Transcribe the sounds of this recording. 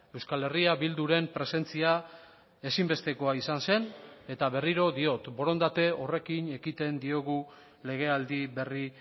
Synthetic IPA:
e̞wskale̞riaβild̪uɾe̞mpɾe̞se̞nt͡sia | esimbe̞st̪e̞ko̞aisanse̞ne̞t̪aβe̞riɾo̞ðio̞t̪bo̞ɾo̞nd̪at̪e̞o̞re̞kine̞kit̪e̞nd̪io̞ɣ̞u | le̞ɣe̞ald̪iβe̞ri

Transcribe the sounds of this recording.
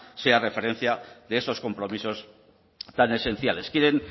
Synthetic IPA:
se̞are̞fe̞ɾẽ̞n̟θjaðeeso̞sko̞mpɾo̞miso̞s | t̪ane̞se̞n̟θjale̞skjeɾen

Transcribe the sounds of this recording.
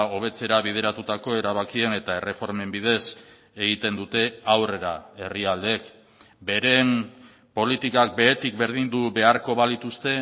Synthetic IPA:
o̞β̞e̞t͡se̞ɾaβið̞e̞ɾat̪ut̪ako̞e̞ɾaβ̞akie̞ne̞t̪ae̞re̞fo̞ɾme̞mbið̞e̞s | e̞ɣit̪e̞nd̪ut̪e̞awre̞ɾae̞riald̪ek | be̞ɾe̞m | po̞lit̪ikak̚be̞et̪ik̚be̞ɾð̞ind̪uβe̞aɾko̞βaðit̪ust̪e̞

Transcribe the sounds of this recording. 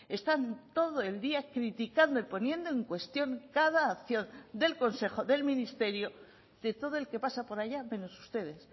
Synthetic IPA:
e̞st̪ant̪o̞ðo̞e̞ld̪iakɾit̪ikand̪oipo̞njẽ̞nd̪o̞e̞ŋkwe̞st̪jo̞ŋkaðaːkθjo̞nd̪e̞lko̞nse̞xo̞ðe̞lmĩnist̪e̞ɾjo̞ | d̪̥e̞t̪o̞ð̞oelke̞pasapo̞ɾajamẽ̞nosust̪e̞ð̞e̞s

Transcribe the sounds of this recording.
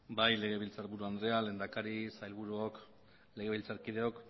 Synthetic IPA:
bajle̞ɣ̞e̞βilt͡saɾβuɾuand̪ɾeale̞nd̪akaɾisajlβuɾuok | le̞ɣe̞βilt͡saɾkið̞e̞o̞k

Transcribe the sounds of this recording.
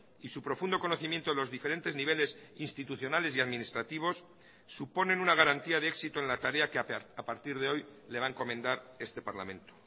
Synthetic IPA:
isupɾo̞fund̪o̞ko̞no̞θimje̞nt̪o̞ðeo̞zðife̞ɾe̞nt̪e̞zniβ̞e̞le̞sinst̪it̪uθjo̞nale̞siaðmĩnist̪ɾat̪iβ̞o̞sː | upo̞nenunaɣaɾant̪iaðeeksit̪oenlat̪aɾe̞akeapaɾt̪iɾð̞eo̞jle̞βaeŋko̞mẽnd̪aɾe̞st̪e̞paɾla̰mẽ̞nt̪o̥

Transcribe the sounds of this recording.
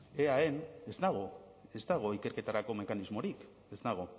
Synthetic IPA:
eaene̞zd̪aɣ̞o | e̞zd̪aɣ̞oike̞ɾke̞t̪aɾako̞me̞kanizmo̞ɾik | e̞zd̪aɣ̞o

